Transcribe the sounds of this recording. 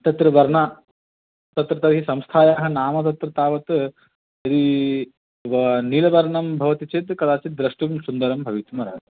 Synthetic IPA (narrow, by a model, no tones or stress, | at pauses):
t̪ɐt̪ɾɐʋɐɾɳaː | t̪ɐt̪ɾɐt̪ɐʋɦisɐmst̪ʰaːjaːɦɐnaːmɐt̪̬ɐt̪ɾɐt̪aːʋɐt̪ | jɐd̪i | ʋɐniːlɐʋɐɾɳɐmbʱɐʋɐt̪it͡ʃet̪kɐd̪aːt͡ʃit̪̚d̪ɾɐʂʈumsund̪ɐɾɐmbʱɐʋit̪umɐɾa̰ːd̪ɐ